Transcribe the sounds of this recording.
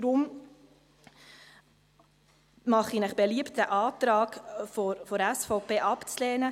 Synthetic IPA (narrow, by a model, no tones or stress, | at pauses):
dɾʊm | mɑχinəχb̥eliəptəʔɑːt̪ɾɑːkfofɔɾɛsfɔʊpʰeːʔɑpt͡slɛːnə